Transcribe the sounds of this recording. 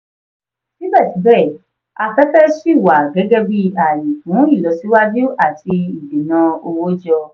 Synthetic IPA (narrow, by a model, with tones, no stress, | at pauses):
ni˦bɛ˦˨ti˨˦bɛ˦˨ | a˧fɛ˦tɛ˦ʃi˦˨wa˨ɡɛ˨˦ɡɛ˦bi˦a˨ji˨fũ˨˦i˦˨lɔ˨˦si˦wa˦d͡ʒu˦a˦˨ti˧i˨di˨nã˧o˧wo˦d͡ʒɔ˧